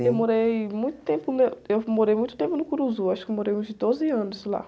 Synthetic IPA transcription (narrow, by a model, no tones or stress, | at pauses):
ewmoɾejmũj̃t̪ʊ̥t̪ẽmpʊneewmoɾejmũj̃t̪ʊ̥t̪ẽmpʊnʊkɾuzʊaʃʊ̥kɪmoɾejũzd͡ʒɪd̪ozɪɐ̃nʊsla̰